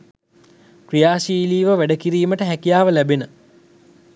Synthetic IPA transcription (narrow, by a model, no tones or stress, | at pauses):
krijaːʃiːliːʋəʋæɖəkiɾiːməʈəɦækijaːʋəlæbenə